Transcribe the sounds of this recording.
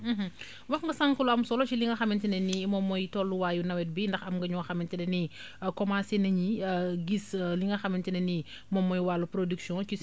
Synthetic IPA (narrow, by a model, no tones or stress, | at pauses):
m̩ɦ̩ | wɐxŋɡɐsaŋkuluɐmsɔlɔt͡ʃiliŋɡɐxɐmintinɛnimɔmːɔjtɔlːuwaːjunɐwɛt̚bindɐxɐmŋɡɐɲɔxɐmintinɛni | kɔmansenɐɲiɡisliŋɡɐxɐmintinɛni | mɔmːɔjwalupɾodiksijɔ̃t͡ʃi